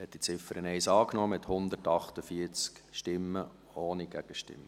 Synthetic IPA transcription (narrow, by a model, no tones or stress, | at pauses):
hɛt̚d̥it͡sɪfəɾənɛɪsɑːknɔːmɪt̪hʊnd̪ətɑχt̪əfiət͡skʃtɪmːə | oːniɡ̥æɡ̥əʃtɪ̰mːə